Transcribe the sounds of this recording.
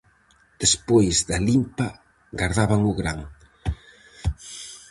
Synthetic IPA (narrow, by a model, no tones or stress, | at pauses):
d̪̥espojzðalimpa | ɡaɾðaβaŋʊɣɾaŋ